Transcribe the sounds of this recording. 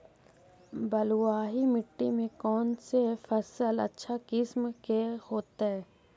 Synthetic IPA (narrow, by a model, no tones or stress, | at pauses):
bɐlwaːɦimɪʈːimẽkɔːnsefɐsəlɐ̰tːʃʰakɪsmkehoːt̪aɦɛː